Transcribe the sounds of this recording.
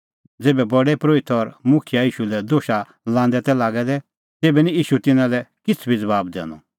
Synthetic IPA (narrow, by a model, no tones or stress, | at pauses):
d͡zeːbɛbɔɖɛpɾoːɪt̪ʰɔɾmʊkʰɪjaiːʃulɛd̪oːʃa | lãːnd̪ɛt̪ɛlaːɡɛd̪ɛ | t̪eːbɛnĩiːʃut̪ɪnãlɛkɪt͡sʰbʱid͡zɐbaːbd̪ɛ̰̃ːnɔ̰